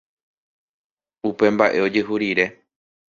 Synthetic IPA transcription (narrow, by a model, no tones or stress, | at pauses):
upe̞mbaʔe̞o̞d͡ʒeɦuɾiɾe̞